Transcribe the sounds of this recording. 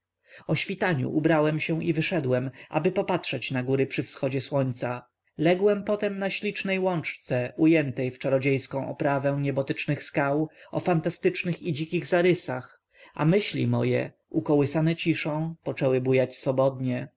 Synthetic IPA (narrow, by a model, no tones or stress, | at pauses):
ɔɕfʲit̪aɲṵʔubɾawɛmɕɛw̃ʔivɘʂɛd̪wɛmʔa̰bɘpɔpatʂɛt͡ɕnaɡuɾɘpʂɘfsxɔd͡ʑɛswɔɲt̪sa | lɛɡwɛmpɔt̪ɛmnaɕlʲit͡ʂnɛjwɔnt͡ʂt̪sɛujɛnt̪ɛjft͡ʂaɾɔd͡ʑejskɔ̃w̃ʔɔ̰pɾavɛ̃w̃ɲɛbɔt̪ɘt͡ʂnɘxskawɔ̰fant̪ast̪ɘt͡ʂnɘxid͡ʑikʲiɣzaɾɘsax | ʔa̰mɘɕlʲḭmɔ̰jɛ̰ | ukɔwɘsanɛt͡ɕiʂɔ̃w̃pɔt͡ʂɛwɘbujat͡ɕsfɔbɔd̪ɲɛ